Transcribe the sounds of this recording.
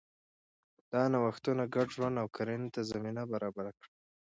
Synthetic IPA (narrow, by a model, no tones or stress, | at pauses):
d̪̥ɑnawaxt̪unaɡaɖʒwand̪awkʰaɾent̪azaminabaɾɑbaɾakɽə